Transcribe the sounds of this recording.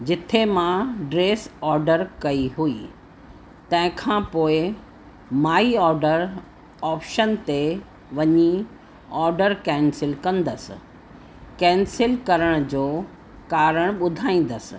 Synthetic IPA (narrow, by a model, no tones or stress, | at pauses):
d͡ʑɪt̪ʰemãɖɾeːsɔːɾɖəɾkɐiɦui | t̪ɐ̃ɦɪ̃kʰãpoːɪ | maːiɔːɾɖəɾ | ɔːpʃənt̪e | ʋɐɲi | ɔːɾɖəɾkɛ̃ːnsɪlkɐ̃nd̪əsɪ̰̆ | kɛ̃ːnsɪlkɐɾəɽ̃d͡ʑoː | kaːɾəɽ̃ɓʊd̪ʱaːĩːn̆d̪əsɪ̥̆